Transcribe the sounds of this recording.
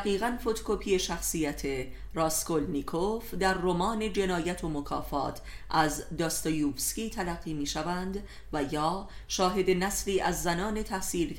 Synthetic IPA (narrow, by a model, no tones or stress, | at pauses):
ɣiːɣænfo̞t̪ʰo̥kʰopʰiːe̞ʃæxsiːjæt̪ʰe̞ɾɒːsko̞lnikʰofd̪æɾːomɒːne̞d͡ʒe̞nɒːjæt̪ʰomokʰɒ̰ːfɒ̰ːt̪ʰʔæzd̪ɒːst̪ɑjuːfsciːt̪ʰælæɢːiːmiːʃævænd̪ | væjɒːʃɒːɦe̞d̪e̞næsliːʔæzːænɒːne̞t̪ʰæhsiːl